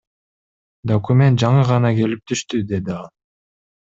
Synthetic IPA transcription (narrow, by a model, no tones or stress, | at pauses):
d̪okumʲe̞nt̪̚d͡ʒɑɴɯʁɑnɑke̞lip̚t̪ʰyʃt̪yd̪e̞d̪iɑlˠ